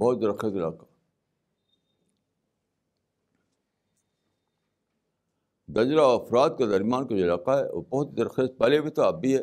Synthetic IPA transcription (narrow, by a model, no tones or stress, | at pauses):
bɔɦːt̪̚d̪ɐɾxet̪ɪla̰ːqḁ | d̪ɐd͡ʒɾaɔɐfɾaːt̪̚ked̪ɐɾmjaːnkaoɪlaːqaɦɛ̰o̰bɔɦʊt̪d̪ɐɾxeːst̪̚pɐlebʱit̪oɐbiɦɛː